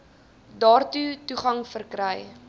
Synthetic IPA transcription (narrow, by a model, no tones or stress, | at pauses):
dɑːrtutuχɐŋfərkɾəj